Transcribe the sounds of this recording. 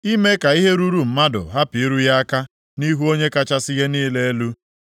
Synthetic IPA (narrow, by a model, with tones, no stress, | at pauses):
i˦me˦ka˨i˦ɦe˦ɾu˦ɾu˨m̩˦ma˦dʊ̰˨ɦa˦pi˨i˦ɾu˦ja˦a˦ka˦ | ni˦ɦu˦o˦ɲe˦ka˦t͡ʃa˦sɪ˦ɣe˦niː˦le˦e˦lu˦